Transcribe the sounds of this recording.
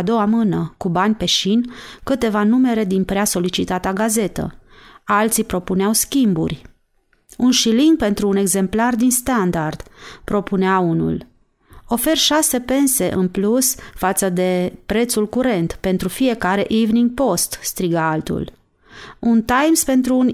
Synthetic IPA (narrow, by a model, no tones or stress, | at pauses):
ad̪o̞wamɨnəkubanʲpe̞ʃinkɨt̪e̞vanume̞ɾe̞d̪inpɾeaso̞lit͡ʃit̪at̪aɡaze̞t̪ə̰alt̪sipɾo̞puneawskʲimbṵrʲ | unʃiliŋɡ̚pe̞nt̪ɾuːne̞ɡze̞mplard̪inst̪and̪ard̪̥pɾo̞puneaunṵl | o̞fe̞rʃase̞pe̞nse̞ʔɨnplusfat̪səd̪e̞pɾe̞t̪sulkuɾe̞nt̪pe̞nt̪ɾufije̞kaɾe̞ʔivniŋɡ̚po̞st̪st̪ɾiɡaalt̪ṵl | unt̪ajmspe̞nt̪ɾuːn